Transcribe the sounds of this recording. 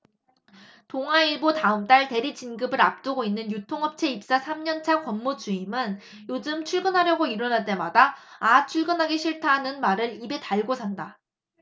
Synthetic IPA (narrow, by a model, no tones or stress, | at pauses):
toŋɦaiɭbotaɯmt͈aɭte̞ɾid͡ʑinɡɯbɯɾap̚t͈ɯɡoinːɯnjutʰoŋɦʌp̚t͡ɕʰe̞ip̚s͈asʰamɲʌnt͡ɕʰakwʌmːod͡ʑuimɯn | jod͡ʑɯmt͡ɕʰuɭɡɯnɦaɾjʌɡoiɾʌnaɭt͈e̞madaːt͡ɕʰuɭɡɯnɦaɡeɕʰiɭtʰaɦanɯnmaɾɯɾibe̞taɭɡosʰanda